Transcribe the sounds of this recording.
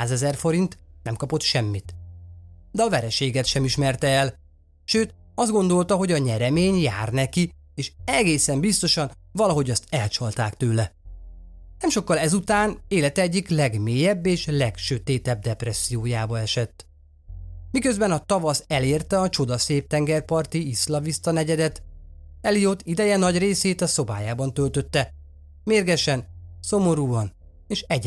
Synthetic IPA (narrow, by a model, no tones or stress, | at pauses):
aːzɛzɛrfo̞ɾint̪nɛmkɒpo̞t̪ʃɛmːit̪ | d̪ɛɒvɛɾɛʃeːɡɛt̪ʃɛmiʃmɛrt̪ɛɛl | ʃøːt̪ | ɒzd̪ɡo̞nd̪o̞lt̪ɒɦo̞ɟɒɲɛɾɛmeːɲjaːrnɛki | eːʃɛɡeːsɛmbist̪o̞ʃɒn | vɒlɒɦo̞ɟɒst̪ɛlt͡ʃɒlt̪aːkt̪øːlɛ | nɛmʃo̞kːɒlɛzut̪aːneːlɛt̪ɛɛɟːiklɛɡmeːjɛbːeːʃlɛkʃøt̪eːt̪ɛb̚d̪ɛprɛsːijoːjaːbɒɛʃɛt̪ː | mikø̞zbɛnɒt̪ɒvɒsɛleːrt̪ɛɒt͡ʃo̞d̪ɒseːp̚t̪ɛŋɡɛrpɒrt̪iislɒvist̪ɒnɛɟɛd̪ɛt̪ɛlijot̪id̪ɛjɛnɒɟreːseːt̪ɒso̞ba̰ːjaːbɒnt̪ølt̪ø̞t̪ːɛ | meːrɡɛʃɛnso̞mo̞ɾuːɒn | eːʃɛɟ